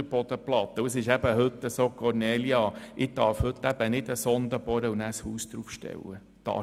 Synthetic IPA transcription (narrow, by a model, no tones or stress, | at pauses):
əɾb̥ɔd̪̥əplɑt̪ːəuəsɪʃæb̥əhɵt̪ːəsokʰɔɾnɛːljɑʔɪd̪ɑɾfhɵt̪ːæb̥ənɪd̪əsɔnd̪əb̥ɔɾəunæːshuːsd̪̥ɾufʃtɛ̰wːə | d̥̪ɑ̰